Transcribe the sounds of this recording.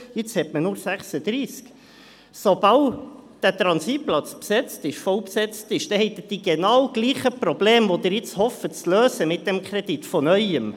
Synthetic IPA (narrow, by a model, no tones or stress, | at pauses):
ɪt͡shɛtmənʊɾsæχsəd̪ɾiːsk | sob̥ɑld̥æt̪ɾɑnsitplɑt͡spsɛt͡stɪʃfɔlpsɛt͡stɪʃd̥ɛhɛɪt̪̚əd̥iɡ̥ɛnɑwɡ̥liːχəpɾɔb̥leːmvod̪ɪɾɪt͡shɔfətt͡sløːsəmɪt̚d̥ɛmkʰɾɛd̥itfɔnœʏəm